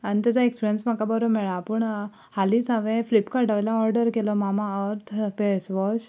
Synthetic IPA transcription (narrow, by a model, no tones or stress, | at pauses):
ənt̪ət̪aekspiɾjənsmãkabəɾomɛɭãpəɳ | halisaʋẽflipkaɾʈaʋelãɔɾɖəɾkelomamãəɾt̪ʰpɛsʋɔt͡ʃ